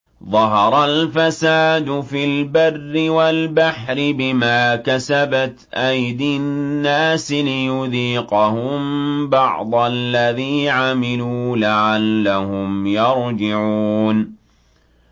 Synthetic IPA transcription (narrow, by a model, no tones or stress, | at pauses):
ðˤɑɦɑɾˤɑlfasaːd̪ʊfilbarːɪwalbaħɾɪbɪmaːkasabat̪ʔajd̪ɪnːaːsɪlɪjʊðiːqʊhʊmbɑʕd̪ˤɑlːaðiːʕamɪluːlaʕalːahʊmjɑɾd͡ʒɪʕuːn